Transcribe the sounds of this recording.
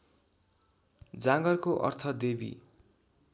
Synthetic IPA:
d͡zãɡʌrkoʔʌ̰rt̪ʰʌd̪ebḭ

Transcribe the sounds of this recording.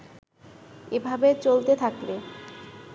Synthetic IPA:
ebʱabet͡ɕolt̪et̪ʰakle

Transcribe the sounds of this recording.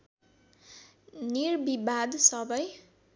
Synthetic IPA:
nirbibad̪sʌbʌj

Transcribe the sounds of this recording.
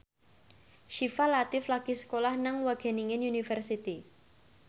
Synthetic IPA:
ʃifalat̪ɪflaɡ̥isə̥kolahnaŋwaɡ̥ɛ̤niŋɪnunifɛrsit̪i

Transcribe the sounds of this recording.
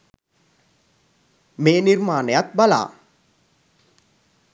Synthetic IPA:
meːniɾmaːnəjat̪̚bala̰ː

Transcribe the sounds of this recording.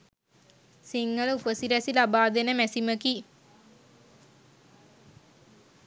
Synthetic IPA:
siŋɡələupəsiɾæsilabaːd̪enəmæsiməki

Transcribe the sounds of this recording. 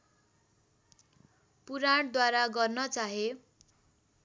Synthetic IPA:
puɾaɽd̪waɾaɡʌrnʌt͡saɦe

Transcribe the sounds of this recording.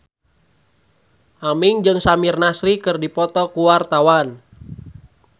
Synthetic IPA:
ʔamiŋd͡ʒɨŋsamirnasɾikɨrdipɔt̪ɔkuwart̪awan

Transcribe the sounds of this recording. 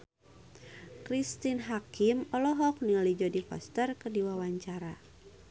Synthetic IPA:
kɾist̪inɦakimɔlɔɦɔk̚niɔlid͡ʒɔdifɔ̰st̪ərkədiwawaɲt͡ʃaɾa

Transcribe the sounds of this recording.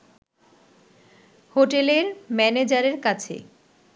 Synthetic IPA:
hoʈeleɾmɛned͡ʑaɾeɾkat͡ɕʰḛ

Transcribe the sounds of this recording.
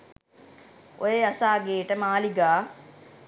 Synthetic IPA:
ʔo̰jeasaːɡeːʈəmaːliɡaː

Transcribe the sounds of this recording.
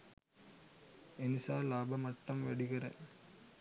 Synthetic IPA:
ɛnɪsaːlaːbɐmɐʈːɐmʋɛɽɪɣɪrɐ̰

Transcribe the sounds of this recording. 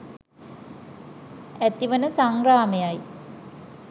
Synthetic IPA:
æt̪iʋənəsaŋraːmejaj

